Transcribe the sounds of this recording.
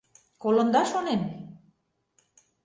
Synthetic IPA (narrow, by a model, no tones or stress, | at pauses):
kolŏnd̪ɑʃonen